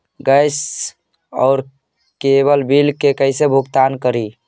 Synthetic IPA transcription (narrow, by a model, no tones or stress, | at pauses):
ɡəjs | ɔ̰ːɾ | keβəlbilkekəɪsebʱukt̪ankəɾi